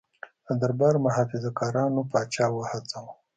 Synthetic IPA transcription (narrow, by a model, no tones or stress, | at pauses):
ad̪aɾbɑɾmʊɦɑfɪzakɑːɾɑnopɑːt͡ʃɑwəhat͡saw